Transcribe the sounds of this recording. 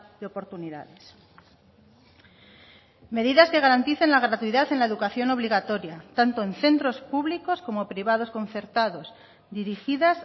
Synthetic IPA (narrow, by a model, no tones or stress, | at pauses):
ðeo̞po̞ɾt̪uniða̰ðes | me̞ð̞iðaske̞ɣ̞aɾant̪iθe̞nlaɣ̞ɾat̪uiðaθe̞nlaeðukaθjo̞no̞β̞liɣat̪o̞ɾjat̪ant̪oenθe̞nt̪ɾo̞spuβliko̞sko̞mo̞pɾiβ̞að̞o̞sko̞n̟θe̞ɾt̪að̞o̞z | d̪iɾixiðas